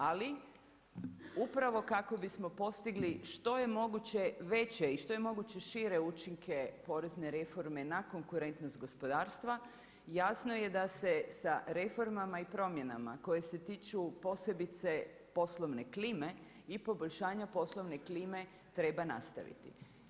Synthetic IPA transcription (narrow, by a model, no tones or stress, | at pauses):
ali | upɾaʋo̞kako̞bismo̞po̞st̪iɡliʃt̪o̞je̞mo̞ɡut͡ɕe̞ʋe̞t͡ɕeiʃt̪o̞jemo̞ɡut͡ɕe̞ʃiːɾe̞ut͡ʃiŋkʰepo̞ɾe̞zne̞ɾe̞fo̞ɾme̞nako̞ŋkuɾe̞nt̪nost̪̚ɡo̞spo̞d̪aːɾst̪ʋa | jasno̞je̞d̪ase̞saɾe̞fo̞ɾmamaipɾo̞mje̞na̰ma̰ko̞je̞se̞t̪iːt͡ʃupo̞se̞bit̪se̞ | po̞slˠo̞ʋne̞kliːme | ipo̞boʎʲʃaːɲapo̞slˠo̞ʋne̞kliːme̞ | t̪ɾe̞bana̰st̪a̰ʋḭt̪ḭ